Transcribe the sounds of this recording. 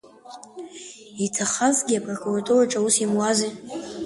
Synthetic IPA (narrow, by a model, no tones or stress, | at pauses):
itʰaχazɡʲiapʼrokʰʼuratʰʼuraʈ͡ʂʼausimwazi